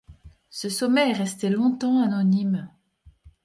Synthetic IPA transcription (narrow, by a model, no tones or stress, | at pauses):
səsɔmɛʁɛst̪elɔ̃t̪ɑ̃anɔnim